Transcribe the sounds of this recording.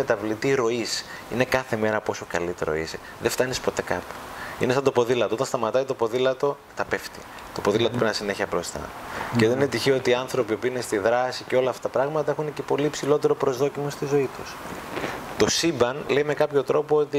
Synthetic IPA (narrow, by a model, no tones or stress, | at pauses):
et̪ɐvlit̪iɾo̞is | ine̞kɐθe̞me̞ɾɐpo̞so̞kɐ̰lit̪e̞ɾo̞̰ḭse | ðeft̪ɐnispo̞t̪e̞kɐpo̥ | inest̪ɐnd̪o̞po̞ðilɐt̪oot̪ɐnst̪ɐmɐt̪ɐit̪o̞po̞ðilɐt̪o̞ | t̪ɐpeft̪ḭ | t̪o̞po̞ðilɐt̪opɾinɐsine̞çɐbɾo̞st̪ɐ̰ceðenet̪içio̞t̪iɐnθɾo̞pio̞piinest̪iðɾɐsiceo̞lɐft̪ɐ̥t̪ɐpɾɐɣmɐt̪ɐe̞xunece̞po̞liːpsilo̞t̪e̞ɾo̞pɾo̞zðo̞cimost̪izo̞it̪us | t̪o̞sibɐnle̞jme̞kɐpço̞t̪ɾo̞po̞ot̪i